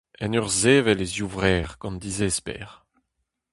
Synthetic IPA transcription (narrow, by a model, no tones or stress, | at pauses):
ɛnœʁzeːvɛlezjuvʁɛːʁɡ̥ɑ̃nd̪izespɛ̰ːʁ